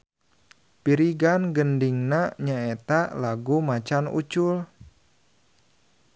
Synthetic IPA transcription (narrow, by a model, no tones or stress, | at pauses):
piɾiɡanɡəndiŋnaɲaet̪alaɡumat͡ʃanṵt͡ʃul